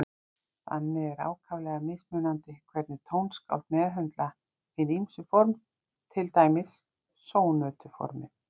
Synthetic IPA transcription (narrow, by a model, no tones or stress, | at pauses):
θa̰nːɪɛɾa̰ːwkʰavlɛːɣamɪsmœnant̪ɪkʰvɛɾt̪nɪt̪ʰownska̰wlt̪mɛːðɦœnt̪la | ɪnimsʏfɔɾm | t̪ʰɪlt̪aːjmɪsː | oːwnœːt̪ʏfɔ̰ɾmɪ̰